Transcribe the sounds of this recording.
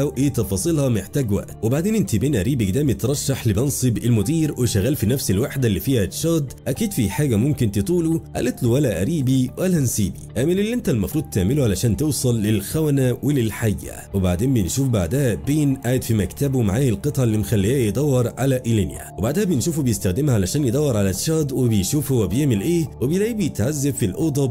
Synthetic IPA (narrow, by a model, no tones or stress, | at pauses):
æwʔeːt̪ɑfɑsˤɨlhɑmeħt̪æːɡwæ̰ʔ̪webaʕd̪eːnʔɪnt̪ibeːnʔæɾiːbiɡd̪æːmit̪ɾˤɑʃːaħlɪbɑnsˤɨbɪlmʊd̪iːɾwɪʃæɣːæːlfinæfsɪlwaħd̪ælːifiːhæʃɑːd̪ʔækiːd̪fiħaːɡæmʊmkɪnt̪et̪ˤuːluʔæ̰lʔet̪luwælæʔæɾiːbiwælænsiːbḭʔæːmɪlɪlːiʔent̪ælmɑfɾuːd̪̚ˤt̪eʕmɪluʕalæʃæːnt̪ewsˤɑlːɪlxæwænæwɪlɪlħajːæ̰wɪbaʕd̪eːnbejenʃuːfbaʕd̪æhæbeːnʔaːjɪd̪fimækt̪æbumaʕaːjɪlqɨt̪ˤʕɑlːimxælːijæːjed̪ˤɑwːɑɾˤʕalæʔilɪnjæ̰webaʕd̪æhæbjɪnʃuːfubejɪst̪æxd̪ɪmhæʕalæʃæːnjed̪ˤɑwːɑɾˤʕalæʃɑːd̪ˤwɪbejʃuːfhowːæbejeʕmɪlʔeːwɪbjlæʕiːbjet̪ʕazːabfilʔod̪ˤɑb